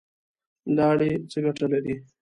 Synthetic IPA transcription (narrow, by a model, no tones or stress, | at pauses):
lɑːɽet͡səɡaʈalaɾi